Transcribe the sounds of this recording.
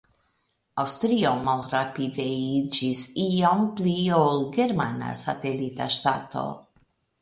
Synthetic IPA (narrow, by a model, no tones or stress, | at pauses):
awst̪ɾiomalɾapideid͡ʒisiompliolɡe̞ɾmana̰sa̰te̞lita̰ʃtato̞̰